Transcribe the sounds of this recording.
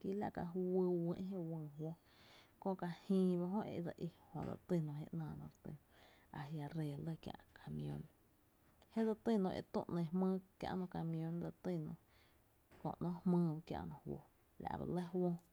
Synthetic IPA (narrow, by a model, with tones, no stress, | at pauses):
ki˦la˦ʔka˧ɦwɨ˧wə̃˧ʔɦẽ˦ʔwə̃ː˧˨wo˦ | kõ˦ʔka˧hĩː˧ba˦ɦõ˦ʔe˧ʔd͡za˧ʔi˧hõ˨d͡za̰˧˨t̪i˧˨nõ˧ɦḛ˦ʔnãː˧˨nõ̰˧˨ɾt̪ɨ̰˧ñ˧ | a˨ɦja˧ɾeː˧˨lə˦˧kjã̰˧ʔkʰa˨mĩõ̰˧n | he˦d͡za˧t̪i˦˨nõ˧ʔḛ˧˨t̪ṵ̃˦˧ʔnẽ˧hmə̃ː˦kjã̰˧ʔnõ˧ka˧˨mĩ˧õ˧nd͡za˧t̪i˦˧˨nõ̰˧˨ | kõ̰˧˨ʔnõ˦hmɨ̃ː˦ba˧kja̰˧ʔnõ˧hwo̰˧ | la̰˨ba̰˧lə˦hwõ˦